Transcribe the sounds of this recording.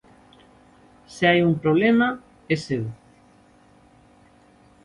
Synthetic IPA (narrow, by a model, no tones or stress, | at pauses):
seajuŋpɾoβlema | eseð